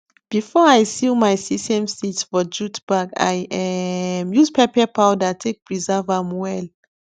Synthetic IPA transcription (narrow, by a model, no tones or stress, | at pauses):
b̥ifɔajsilmajsisɛ̃mstitfɔd͡ʒutbaka̰jɛmjuspʰɛpɛpʰawdatʰek̚pʰɹizɛvamwɛl